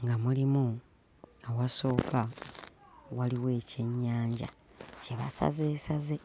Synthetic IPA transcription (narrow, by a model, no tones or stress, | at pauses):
ŋɡamulimu | awaso̞ːka | waliwe̞ːce̞ɲːaːɲɟa̰ | ce̞βa̰sa̰zeːsaze